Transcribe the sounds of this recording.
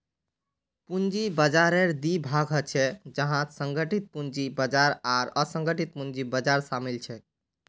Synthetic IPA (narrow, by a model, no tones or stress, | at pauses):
pund͡ʒibəd͡ʒaɾeɾd̪ibʱaɡɦət͡ʃʰɛd͡ʒəɦãsəŋɡəʈit̪̚pund͡ʒibəd͡ʒaɾaɾəsəŋɡəʈit̪̚pund͡ʒibəd͡ʒaɾsamilt͡ʃʰɛ